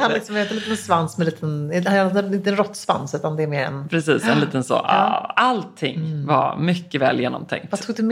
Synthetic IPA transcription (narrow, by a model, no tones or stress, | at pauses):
hanlɪksɔmøːt̪əliːt̪ɛnsvansmɛliːt̪ʰənhannɪnt̪əɛnɾɔt̪ːsva̰nsʉ̟ːt̪and̪ɛːɾmeːɾɛ̰npʰɾɛsiːsɛnliːt̪ənso̰ːʔɑ̰alt̪ʰːɪŋva̰ɾmʏkːəvɛ̰ːljeːnɔ̰mt̪ʰɛ̰ŋk̚t̪vat̪ʰuːɡ̚d̪ɵm